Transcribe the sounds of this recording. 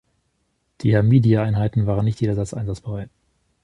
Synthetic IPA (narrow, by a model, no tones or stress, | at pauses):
d̥iːhɛmiːdiaaɪnɦaɪtn̩vaːʁənːɪçtjeːdɐzat͡sʔa̰ɪnzat͡sb̥əʁaɪt